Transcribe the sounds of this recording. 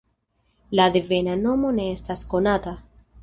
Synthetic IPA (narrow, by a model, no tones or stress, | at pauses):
lad̪eve̞nano̞mo̞ne̞estasko̞nat̪a